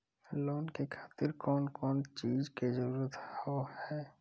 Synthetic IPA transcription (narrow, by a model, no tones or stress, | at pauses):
lɔːnkekʰaːt̪ɪɾkɔːnkɔːnt͡ʃiːzkezəɾuːɾət̪hohɛː